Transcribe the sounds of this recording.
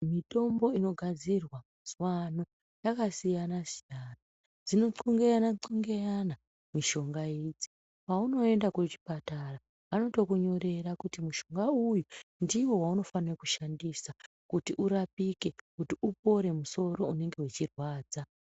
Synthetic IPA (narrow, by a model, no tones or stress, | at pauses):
mito̞mbo̞ino̞ɡʱad͡zirwamuz̥wano̞ | jakasijanasijaːna | d͡zino̞ǀoŋɡeanaǀoŋɡejana | miʃo̞ŋɡaiːd͡zi̥ | pauno̞e̞ndakut͡ʃi̥patara | ʋano̞to̞kuɲo̞ɾe̞ɾakutimuʃo̞ŋɡaujundiwo̞wauno̞fanrekuʃandisa | kutiʔuɾapike̞kutiʔupo̞ɾe̞muso̞ɾo̞une̞ŋɡe̞ut͡ʃirwaːd͡za